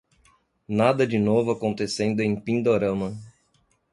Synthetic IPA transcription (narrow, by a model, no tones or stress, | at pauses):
nad̪ɐd͡ʒɪnovʊakõnt̪esẽnd̪ʊẽj̃pĩnd̪oɾɐ̃mɐ